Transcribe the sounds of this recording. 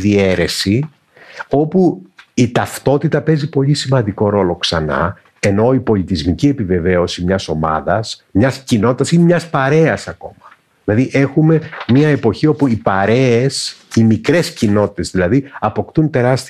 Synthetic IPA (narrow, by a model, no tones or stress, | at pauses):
ðie̞ɾe̞si | o̞puit̪ɐft̪o̞t̪it̪ɐpe̞zipo̞ʎisimɐnd̪iko̞ɾo̞lo̞ksɐnɐ̰ | e̞no̞ipo̞lit̪izmicie̞pive̞ve̞o̞simɲɐso̞mɐ̰ðɐsmɲɐscino̞t̪it̪ɐsinemɲɐspɐɾe̞ɐsɐko̞mɐ | ðilɐðiʔe̞xume̞miɐe̞po̞çio̞puipɐɾe̞esimikɾe̞scino̞t̪i̥t̪e̞zðilɐðiɐpo̞kt̪unt̪e̞ɾɐst̪